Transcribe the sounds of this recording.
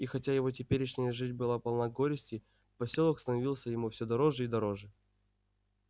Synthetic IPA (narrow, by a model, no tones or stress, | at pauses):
ixɐtʲajɪvo̞t̬ʲɪpʲeɾʲɪʂnʲɪjəʐɨtʲbɨlˠapɐlˠnaɡo̞ɾʲɪsʲtʲɪ | pɐsʲolˠəkst̪ənɐvʲilˠsʲəjɪmufsʲod̪ɐɾo̞ʐɨid̪ɐɾo̞ʐɨ